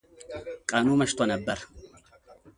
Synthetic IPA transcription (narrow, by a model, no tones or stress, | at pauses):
kʼɐnuːmɐʃt̪ʊɐnɐbːɐɾɐ